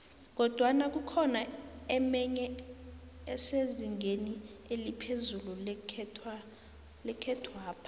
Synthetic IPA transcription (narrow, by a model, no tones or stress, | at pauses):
k̬ɔd̥ʱwanak̬ukʰɔnaɛmɛɲɛ | ɛseziŋeni | elipʰezululʰ | lɛkʰɛtʰwaːpʰḁ